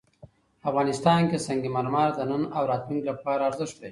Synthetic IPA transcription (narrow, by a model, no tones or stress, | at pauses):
afɣɑːnɪst̪ɑːnkesaŋɡimaɾmɑɾd̪ənənawɾɑt̪luŋklapɑːɾaːɾzɪʂt̪d̪e